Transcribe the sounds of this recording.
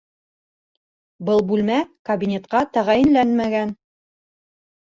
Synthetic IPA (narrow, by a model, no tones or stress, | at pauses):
bɤlˠbʉlmækɐbʲinʲet̪qɑt̪æʁæjɘ̆nlænmæɡæn